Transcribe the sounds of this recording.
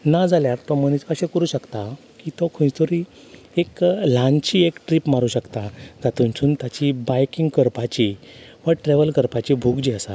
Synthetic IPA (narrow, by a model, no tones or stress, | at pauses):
nad͡zaljaɾt̪ɔməñit͡skəɕẽkəɾuːɕəkt̪a | kit̪okʰũt̪oɾi | eklãnt͡ɕiːekʈɾipmaɾuːɕəkt̪ad͡zat̪unt͡sʰuːnt̪jat͡ɕibajkiŋɡkəɾpat͡ɕiʋəʈɾeʋəlkəɾpat͡ɕibʱuɡd͡ʑiːəsa̰